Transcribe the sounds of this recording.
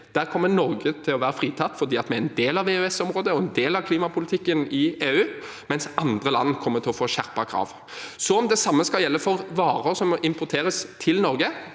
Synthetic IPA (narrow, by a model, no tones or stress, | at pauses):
d̪̥æːʁkʰɔmːənɔɾɡət̪ʰɪlɔʋæːɾəfʁiːt̪ʰɑt̪ːfɔʁd̪iːɑt̪mɛæɛɾɛnd̪eːlɑʋeːʉɛsɔmʁoːd̪əɔɛnd̪eːlɑʋkʰliːmɑpʰʊlɪt̪ʰɪkːənɪeːʉː | mɛnsɑnd̪ʁəlɑ̰nːkʰɔmːət̪ʰɪlɔfoːɕæʁpɑkʰɾɑ̰ːʋ | sɔɔmd̪ɛsɑmːəskɑljɛlːəfɔɾʋɑːɾəɾsɔmɪmpʊɾt̪ʰeːɾəst̪ʰɪlnɔɾɡə